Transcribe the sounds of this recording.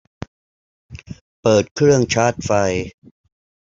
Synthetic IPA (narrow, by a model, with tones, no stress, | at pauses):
pɤː˨˩t̪̚kʰɾɯ˥˩əŋt͡ɕʰaː˦˥t̪̚fa˧j